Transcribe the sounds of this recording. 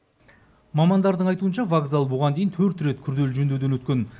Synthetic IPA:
mɑmɑnd̪ɑɾd̪əɴɑjt̪uənʃɑvaɡzalˠbʊʁɑnd̪ejɪnt̪ʰɵɾt̪ɾe̞t̪kʲʰʏɾd̪e̞lʒɵnd̪e̞wd̪e̞nwɵt̪kʲe̞n

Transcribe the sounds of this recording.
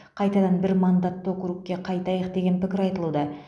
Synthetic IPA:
qʰɑjt̪ɑd̪ɑnbɪɾmɑnd̪ɑt̪ːokʲʏɾukʲkʲːe̞qʰɑjt̪ɑjəqd̪eɡʲe̞npɪkʲɪɾɑjt̪əlˠud̪ɑ

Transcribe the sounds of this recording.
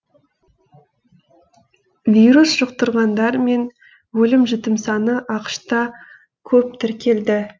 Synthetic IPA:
vʲijɾusʒ̥əq̚t̪əɾʁɑnd̪ɑɾme̞n | wɵlɪmʒɪt̪ɪmsɑnəʔɑqə̥ʃt̪ɑ | kʲʰɵp̚t̪ʰɪɾkʲʰe̞ld̪ɪ

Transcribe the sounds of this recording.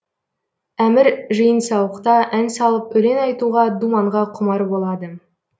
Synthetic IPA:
æmɪɾʒəjənsɑwəqt̪ɑʔænsɑlˠəpɵle̞nɑjt̪uʁɑd̪umɑɴʁɑqʰʊmɑɾbo̞lˠɑd̪ə

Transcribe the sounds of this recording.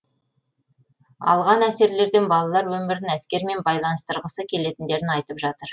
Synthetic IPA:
ɑ̰lˠʁɑnæse̞ɾle̞ɾd̪e̞nbɑlˠɑlˠɑɾwɵmɪɾɪnæskʲe̞ɾme̞nbɑjlˠɑnəst̪əɾʁəsəkʲʰe̞le̞t̪ɪnd̪e̞ɾɪnɑjt̪əpʒɑt̪əɾ

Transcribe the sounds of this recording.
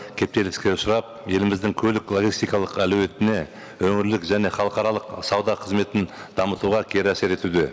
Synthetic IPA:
kʲʰe̞p̚t̪e̞lɪskʲe̞ʊsʊɾɑp̚je̞lɪmɪzd̪ɪŋkʲʰɵlɪklˠoɡʲist̪ijkɑlˠəqæluwe̞t̪ɪne̞ | wɵŋɪɾlɪkʒæne̞χɑlˠəqɑɾɑlˠəqsɑwd̪ɑqʰəzme̞t̪ɪnd̪̥ɑmət̪uʁɑkʲʰe̞ɾæse̞ɾe̞t̪ud̪e

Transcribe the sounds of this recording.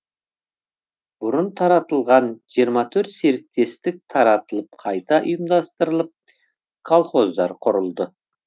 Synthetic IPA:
b̥ʊɾənt̪ʰɑɾɑt̪əlˠʁɑnʒ̥ijəɾmɑt̪ʰɵɾt̪se̞ɾɪk̚t̪e̞st̪ɪk̚t̪ʰɑɾɑt̪əlˠəp̚qʰɑjt̪ɑʔʊjəmd̪ɑst̪əɾəlˠəp̚ | kʰolˠχo̞zd̪ɑɾqʰʊɾəlˠd̪ə

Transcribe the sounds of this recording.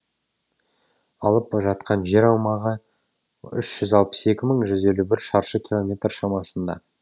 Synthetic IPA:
ɑlˠəpʒɑt̪̚qʰɑnʒe̞ɾɑwmɑʁə | ʏ̰ʃʒ̥ʏzɑlˠpə̥se̞kʲɪməɴʒʏze̞lubɪɾʃɑɾʃəkʲilˠo̞mʲe̞t̪rʃɑmɑsənd̪ɑ̰

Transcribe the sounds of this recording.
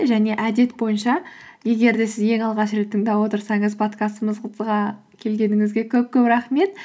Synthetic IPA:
ʒæne̞ʔæd̪e̞t̪bo̞jənʃɑje̞ɡʲe̞ɾd̪e̞sɪzje̞ŋɑlˠʁɑʃɾe̞t̪ːɪŋd̪ɑwo̞t̪əɾsɑɴəzpʰo̞t̪kɑst̪əməzqʰət̪ʰəzʁɑ | kʲʰe̞lɡʲe̞nɪŋɪzɡʲe̞kʲʰɵp̚kʲɵpɾɑχme̞t̪

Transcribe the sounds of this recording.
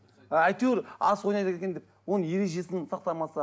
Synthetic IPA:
æjt̪eeɾɑswo̞jnɑjt̪ekʲekʲed̪ep̚wo̞nənje̞ɾe̞ʒe̞sɪnsɑq̚t̪ɑmɑsɑ

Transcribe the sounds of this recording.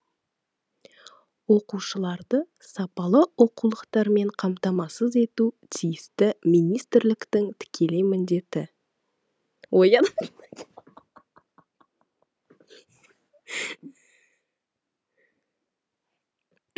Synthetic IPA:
wo̞quʃəlˠɑɾd̪ə | sɑpɑlˠəwo̞qulˠəqt̪ɑɾme̞ɴqʰɑmt̪ɑmɑsəze̞t̪ut̪ʰijɪst̪ɪmijnijst̪ɪɾlɪkt̪ɪŋt̪ʰɪ̥kʲʰe̞le̞mɪnd̪e̞t̪ɪ | wojɑd̪ɑ

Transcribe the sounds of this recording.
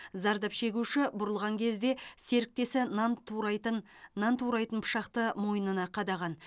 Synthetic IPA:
zɑɾd̪ɑpʃe̞ɡʲuʃɪbʊɾəlˠʁɑŋkʲʰe̞zd̪e̞se̞ɾɪk̚t̪e̞sɪ | nɑnt̪ʰuɾɑjt̪ənpʰʊ̥ʃɑqt̪əmo̞jənənɑqʰɑd̪ɑʁɑn

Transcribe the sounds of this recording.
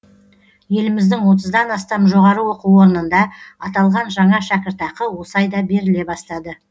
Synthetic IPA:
je̞lɪmɪzd̪ɪŋwo̞t̪̬əzd̪ɑnɑst̪ɑmʒo̞ʁɑɾəwo̞quwo̞ɾənənd̪ɑɑt̪ɑlˠʁɑnʒɑɴɑʃækʲɪɾt̪ɑqəwo̞sɑjd̪ɑbe̞ɾɪle̞bɑst̪ɑd̪ə

